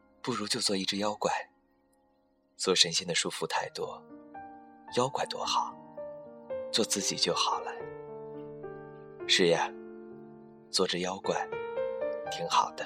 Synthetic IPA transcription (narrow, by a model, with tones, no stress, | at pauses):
pu˥˩ɻu˧˥t͡ɕjo˥˧ʊt͡swɔ˥˧˩i˥ʈ͡ʂɻ̩˥˧jɑ˥ʊkwa˨˩˦ɪ | t͡swɔ˥˩ʂə˧˥nɕɛ˥˩nd̪ə˩ʂu˥˩fu˧˥t̪ʰa˥˩ɪt̪wɔ˥ | jɑ˥ʊkwa˨˩ɪt̪wɔ̰˥xɑ˨˩˦ʊ | t͡swɔ˥˧t͡sɹ̩˥˩t͡ɕi˨˩t͡ɕjo˥˩ʊxɑ˨˩ʊlə˦ | ʂɻ̩˥˩ja˩ | t͡swɔ˥˩ʈ͡ʂə˧jɑ˥ʊkwa˨˩˦ɪ | t̪ʰi˧˥ŋxɑ̰˨˩ʊd̪ə˦